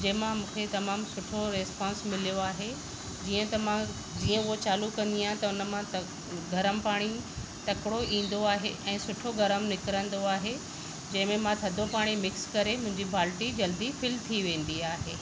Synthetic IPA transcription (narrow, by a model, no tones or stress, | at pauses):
d͡ʑɐ̃ɦɪ̃mãmũːkʰet̪ɐmaːmsʊʈʰoɾespãːnsmɪlijoaːɦe | d͡ʑiːə̃t̪ɐmã | d͡ʑiːə̃ʊɦot͡ɕaːlukɐ̃nd̪iaːɦẽt̪ɐʊnə̆mãt̪ | ɡʱɐɾəmpaːɽ̃it̪ɐkɽoʔĩːn̆d̪oaːɦeʔɛ̃ːsʊʈʰoɡʱɐɾəmnɪkɾə̃nd̪oaːɦe | d͡ʑɐ̃ɦɪ̃mẽmãt̪ʰɐd̪ʱopaːɽ̃imɪkskɐɾemʊ̃ɦɪ̃ɲd͡ʑibʱaːlʈid͡ʑɐld̪ifɪlt̪ʰiʋẽːn̆d̪iaːɦeː